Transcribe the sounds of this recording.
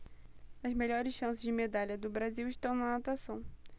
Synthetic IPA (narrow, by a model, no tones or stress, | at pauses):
ɐzmeʎɔɾɪsʃɐ̃sɪzd͡ʒɪmed̪aʎɐd̪ʊbɾaziwɪʃt̪ɐ̃w̃nɐat̪uasɐ̃w̃